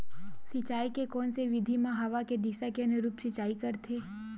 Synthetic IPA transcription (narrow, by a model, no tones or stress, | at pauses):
sɪt͡ʃaːikekɔːnseʋɪd̪ʱimãɦɐʋaked̪iʃakeɐneɾuːpsɪt͡ʃaːikɐɾt̪ʰeː